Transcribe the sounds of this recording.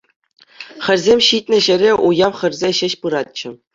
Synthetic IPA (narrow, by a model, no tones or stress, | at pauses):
xʲɘ̆rʲzʲemʲɕit̚ʲnʲɘ̆ɕɘ̆ɾʲeʔujɑmχʲɘ̆rʲzʲeɕɘ̆ɕpɯɾɑt̪̚t͡ɕɘ̆